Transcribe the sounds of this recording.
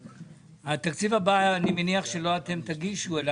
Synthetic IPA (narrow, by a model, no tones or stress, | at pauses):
hat̪akt͡sivabanimeniaχʃe̞lo̞at̪e̞mt̪aɡiʃuel